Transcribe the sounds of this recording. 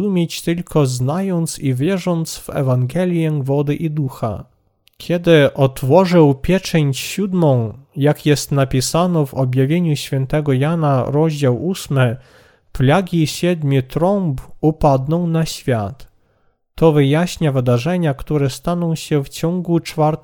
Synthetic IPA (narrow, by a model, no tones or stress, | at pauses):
umʲjet͡ɕt̪ɘlkʰɔznajɔnt̪sivʲjɛʐɔnt̪svɛ̰vaŋɡɛlʲjɛvɔd̪ɘʔid̪uxa̰ | kʲʰɛd̪ɘʔɔt̪fɔʐɘwpʲjɛt͡ʂɛɲt͡ɕɕud̪mɔ̃w̃jakjɛst̪napʲisanɔvɔbʲjavʲjeɲuɕfʲjɛnt̪ɛɡɔjanaɾɔʑd͡ʑawusmɘ | plaɡʲiɕɛd̪mʲit̪ɾɔmpupad̪nɔ̃w̃naɕfʲjat̪ː | ɔvɘjaɕɲavɘd̪aʐɛɲakt̪uɾɛst̪anɔ̃w̃ɕɛft͡ɕɔŋɡut͡ʂfaɾt̪